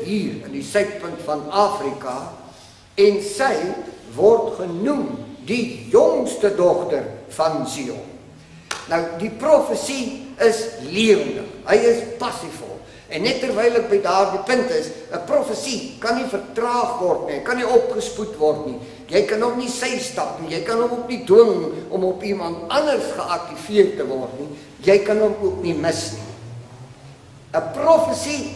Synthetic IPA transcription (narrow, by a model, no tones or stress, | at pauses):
ɦiːrəndisœɥt̚pəntfɐnɑːfrikɐ | ɛnsəjvɔrtχənumdijɔŋstədɔχtərfɐnsiɔ̰ | nəwdiprɔfəsiəsliəvəndə̰χɦəjəspɐsifɔ̰lˠ | ɛnːɛtːərvɛjlək̚bəjdɑːrdipəntəsəprɔfəsikɐnːifərtrɑːχvɔrtniəjkɐniɔpχəsputvɔrtni | jəjkɐnɔχnisɛjstɐpnijəjkɐnɔmɔpniduəŋnʔɔmɔpimɐntɐnərsχəʔɐk̚tifiərtəvɔrtni | jəjkɐnɦəmuəkniməsnḭ | əprɔfəsi